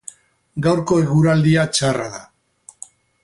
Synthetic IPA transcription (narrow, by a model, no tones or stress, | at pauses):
ɡawɾko̞eɣuɾald̪iat͡ʃaraða